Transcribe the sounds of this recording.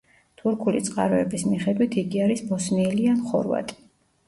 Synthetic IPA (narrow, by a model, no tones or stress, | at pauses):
t̪ʰuɾkʰulḭt̪sʼqʼaɾɔɛbismiχɛd̪wit̪ʰiɡiaɾisbɔsniɛlianχɔ̰ɾva̰t̪ʼi̥